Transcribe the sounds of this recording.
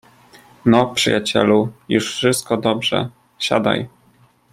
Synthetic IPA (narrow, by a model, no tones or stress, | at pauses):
nɔpʂɘjat͡ɕɛ̰lujuʂfʂɘst̪̚kɔd̪ɔbʐɛ̰ | ɕa̰d̪a̰j